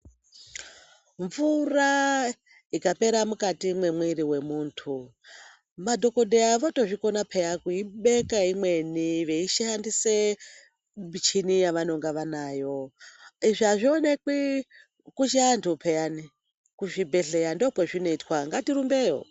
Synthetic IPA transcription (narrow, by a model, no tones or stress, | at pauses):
ɱvura | ikape̞ɾamukatimwe̞mwiɾiwe̞muːntʰu | madʱo̞ko̞deaʋo̞to̞ʐiko̞napʰejakuiɓekaimwe̞niʋe̞iʃiandise | mit͡ʃinijaʋanoŋɡaʋanaːjo̞iʐiaʐionekwi | kut͡ʃiantʰpʰejani | kuʐibʱeɬeandokweʐino̞itwaŋɡatiɾumbejo̰